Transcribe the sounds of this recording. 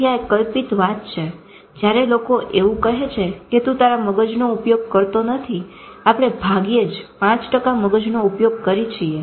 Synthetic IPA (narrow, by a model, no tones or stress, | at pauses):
jaekəlpit̪ʋat̪̚t͡ʃʰe | d͡ʒjaɾelokoʔeʋũkəɦet͡ʃʰeket̪ũt̪aɾaməɡəd͡ʒnoupjoɡ̚kəɾt̪onət̪ʰi | apɽ̃ebʱaɡed͡ʒpãt͡ʃʈəkaməɡəd͡ʒnoupjoɡ̚kəɾit͡ʃʰie